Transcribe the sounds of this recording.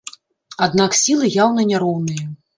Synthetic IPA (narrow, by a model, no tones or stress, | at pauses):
ad̪naksʲilˠɨjawnɐnʲaɾɔwnɨjɐ